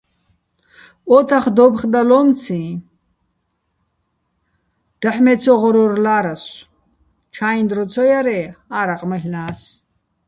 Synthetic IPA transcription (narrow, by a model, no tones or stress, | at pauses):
ɔt̪ʰaχd̪ɔbχd̪alɔmt͡sʰĩ | d̪̥aħmɛt͡sʰɔʁɔɾɔrlaːɾas | t͡ʃʰaind̪ɾɔt͡sʰɔjaɾɛaːɾaqʼməɦnaːs